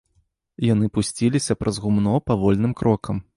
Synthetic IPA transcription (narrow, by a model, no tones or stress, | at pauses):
jan̪ɨpusʲt͡sʲilʲisʲɐpɾɐzɣumnɔpavɔlʲnɨmkɾɔkʰɐm